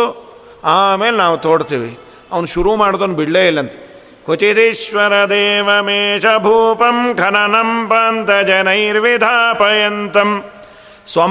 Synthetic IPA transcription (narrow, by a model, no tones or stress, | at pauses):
aːmeːlenaːʋut̪oːɽt̪iːʋḭ | ɐʋɐnuʃuɾumaːɽd̪oːnbiɽleːilːɐnt̪ɐ̥ | kʰot͡ʃit̪iʃʋɐɾɐd̪eːʋɐmeːʃɐbʱuːpɐmkʰɐnɐnɐmpaːnt̪ɐd͡ʒɐnɐjɾʋid̪ʱaːpɐjɐnt̪ɐm | sʋɐ